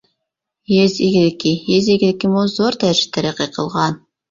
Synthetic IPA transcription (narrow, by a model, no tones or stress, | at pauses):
jezeɡʲɪlɪkʲːijezeɡʲɪlɪkʲːimozoɾt̪ʰæʒɪ̥p̚t̪ʰːæɾæqeqʰəlˠʁɑn